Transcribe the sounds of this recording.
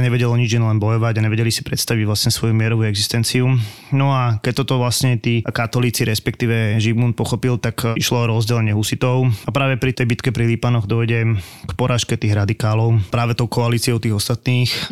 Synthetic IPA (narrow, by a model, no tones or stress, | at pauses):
ɲɛʋɛɟɛlɔɲid͡ʒjɛnlɛnbɔjɔʋaɟaɲɛʋɛɟɛlisi̥pɾɛt̪st̪aʋiɟʋlasɲɛsʋɔjumɪɛɾɔʋuːɛɡzist̪ɛnt͡siu | nɔakɛc̚t̪ːɔt̪ɔʋlasɲɛt̪iːkat̪ɔliːt͡siɾɛspɛkt̪iːʋɛʒibmun̚pɔxɔpilˠt̪akiʃlɔɔɾɔzɟɛlɛɲɪɛɦusit̪ɔʊapɾaːʋɛpɾit̪ɛjbit̪kɛpɾilipanɔɣd̪ɔʋɛɟɛkpɔɾaːʃkɛt̪iːɣɾad̪ikaːlɔʊpɾaːʋɛt̪ɔʊkɔaliːt͡siɔʊt̪iːɣɔst̪at̪niːx